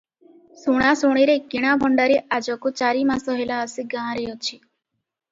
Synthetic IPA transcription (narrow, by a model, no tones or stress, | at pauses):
suɽ̃asuɽ̃iɾeɡiɽ̃abʱɔɳɖaɾiʔad͡ʒɔkut͡ʃaɾimãsɔɦelaəsiɡãːɾejot͡ʃʰi